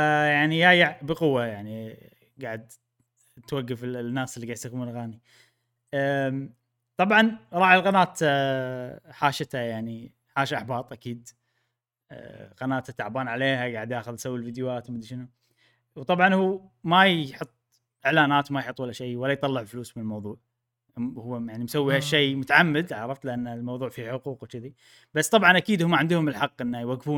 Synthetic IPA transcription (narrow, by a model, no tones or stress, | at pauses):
jaʕnijaːjaʕbəqʊwːajaʕni | ɡaʕad̪ | t̪waɡːafɪnːaːslːiɡaʕsakmulɣaːni | t̪ˤɑbʕɑnɾˤɑːʔɪlɣanaːt̪ | ħaːʃɪt̪ajaʕni | ħaːʃʔaħbɑːt̪ˤʔakiːd̪ | ɣɑnaːt̪at̪ːaʕbaːnʕaleːhaɡaʕd̪ʔaːxʊðsawːilfid̪jwaːt̪wmɪd̪iʃɪnu | wt̪ˤɑbʕɑnhuːmajħʊt̪ˤː | ʔɪʕlaːnaːt̪wmajħʊt̪ˤːwalːaʃejwalːajt̪ˤɑlːɪʕlfluːsmɪnəlmɑwðˤuːʕ | hʊwːjaʕnimsawːihaʃːejmʊt̪aʕamːɪd̪ʕaʕɾˤɑft̪lɪʔanːalmɑwðˤuːʕfiħʊquːqwt͡ʃɪði | b̥asːt̪ˤɑbʕɑnʔakiːd̪hʊmːaʕɪnd̪hʊmɪlħɑqːʔənːajwaɡːfuːn